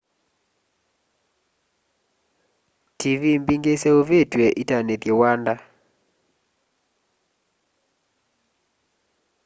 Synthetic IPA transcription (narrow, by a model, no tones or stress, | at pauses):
tivimbiŋɡeseovetweʔitanetɡewanda